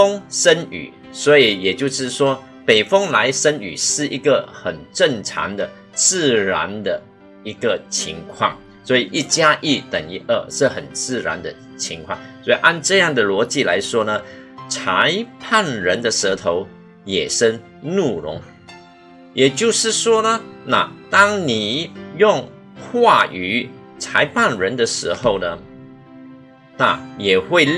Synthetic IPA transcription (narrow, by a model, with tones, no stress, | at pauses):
fɑ˥ŋʂə˥ny̰˨˩˦ | swɔ˧˥i˨˦jɛ˨˩t͡ɕjo˥˧ʊʂɻ̩˥˩ʂwɔ˥ | pe˨˩ɪfɑ˥ŋla˧˥ɪʂə˥ny̰˨˩ʂɻ̩˥˩i˧˥ɡə˨xə˨˩nʈ͡ʂə˥˩ŋʈ͡ʂʰɑ̰˧˥ŋd̪ə˨ | t͡sɹ̩˥˩ɻa̰˧˥nd̪ə˧ | i˧˥ɡə˨t͡ɕʰi˧˥ŋkʰwɑ˥˩ŋ | swɔ˧˥i˨˩ʔi˥˩t͡ɕja˥ʔi˥˩t̪ə˨˩ŋi˥ʔə˥˧ʂɻ̩˥˩xə˨˩nt͡sɹ̩˥˩ɻa̰˧˥nd̪ə˧ | t͡ɕʰi˧˥ŋkʰwɑ̰˥˩ŋswɔ˧˥i˨˩ʔa˥˧nʈ͡ʂɤ˥˧jɑ˥˩ŋd̪ə˩lwɔ˧˥t͡ɕi˥˩la̰˧˥ɪʂwɔ˥nə˨t͡sʰa˧˦ɪpʰa˥˩nɻə˧˥nd̪ə˨ʂə˧˥t̪ʰo˧˥ʊ | jɛ˨˩ʂə˥n | nu˥˩ɻʊ̰˧˥ŋ | jɛ˨˩t͡ɕjo˥˧ʊʂɻ̩˥˩ʂwɔ˥nə˨na˥˩t̪ɑ˥ŋni˨˩jʊ˥˧ŋ | xwa˥˩y˨˥ | t͡sʰa˧˥ɪpʰa˥˩nɻə˧˥nd̪ə˨ʂɻ̩˧˥xo˥˩ʊnə˩ | na˥˩jɛ˨˩xwe˥˧ɪ